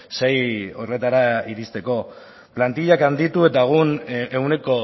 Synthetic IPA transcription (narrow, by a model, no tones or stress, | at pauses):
se̞jo̞re̞t̪aɾaiɾist̪e̞ko̞ | plant̪iʎakand̪it̪ue̞t̪aɣ̞une̞une̞ko̞